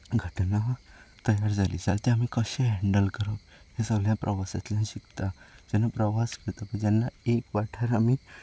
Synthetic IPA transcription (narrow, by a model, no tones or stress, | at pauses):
ɡʱəʈnat̪əjaɾd͡zalḭːd͡zalt̪ẽamiːkəɕẽɦɛ̃ɳɖəlkəɾə | hesəɡljãpɾʔəʋasat̪lãɕikt̪ad͡ʑɛnapɾəʋaskeɾt̪apəɳd͡ʑanːaekʋaʈʰəɾamiː